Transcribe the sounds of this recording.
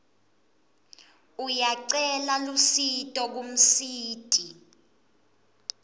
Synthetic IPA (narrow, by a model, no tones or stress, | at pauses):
ujaǀɛlalusitʼɔk̬um̩siːtʼi